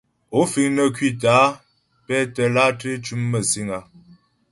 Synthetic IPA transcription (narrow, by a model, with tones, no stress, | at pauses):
o˨˦fi˨ŋnə˦˨kɥi˦˨t̬aː˨˦ | pɛ˦tə˨la˦tɾe˦t͡ʃu˦mːə˨si˦ŋa˨